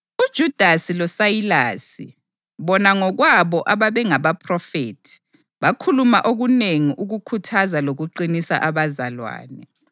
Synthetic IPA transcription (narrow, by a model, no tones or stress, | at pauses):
ud̥ʒ̥ʱud̥ʱasilɔsajila̰ːsḭ | βɔnaŋɔɣwaβɔʔaβaβɛŋaβapʰrɔfeːtʰi̥ | βakʰulumaʔoɣuneŋiʔuɣukʰutʰazaloɣuǃinisa̰ʔaβazalwa̰ːnɛ